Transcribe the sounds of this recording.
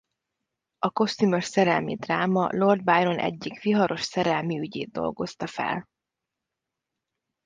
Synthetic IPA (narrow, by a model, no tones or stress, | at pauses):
ɒko̞st̪ymo̞ʃsɛɾɛlmid̪raːmɒ̰lo̞rd̪̚bajɾo̞nʔɛ̰ɟːikʋiɦɒɾo̞ʃsɛɾɛlmiyɟḛːd̪̚d̪ːo̞̰lɡo̞st̪ɒfɛ̰l